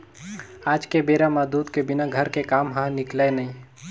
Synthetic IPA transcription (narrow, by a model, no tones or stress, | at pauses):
ad͡ʒkebeɾamad̪ud̪kebinaɡʱəɾkekamɦə̃niklɛnəi